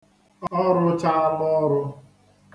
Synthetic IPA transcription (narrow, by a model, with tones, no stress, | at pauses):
ɔ˦ɾʊ˦t͡ʃa˦a˦ɡ͡bɔ˦ɾʊ˧